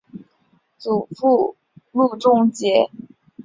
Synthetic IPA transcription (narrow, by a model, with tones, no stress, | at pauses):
t͡su˨˩fu˥˧ | lu˥˧ʈ͡ʂʊ˥˧ŋt͡ɕjɛ˧˥